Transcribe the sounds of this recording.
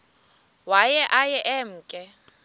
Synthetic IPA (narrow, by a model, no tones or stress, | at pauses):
wajɛʔajɛʔɛm̩ːkʼɛ